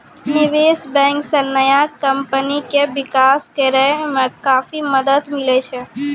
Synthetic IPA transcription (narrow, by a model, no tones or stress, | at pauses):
nɪʋeːsbɛ̃ːŋksenəjakɐmpənikeʋɪkaːskeɾəemẽkaːfiməd̪əd̪mɪlet͡ʃʰɛ